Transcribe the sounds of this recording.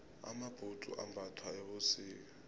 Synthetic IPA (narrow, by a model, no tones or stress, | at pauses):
a̰mab̥ʱutʼṵʔa̰mbʱatʰwaɛɓosiːk̬a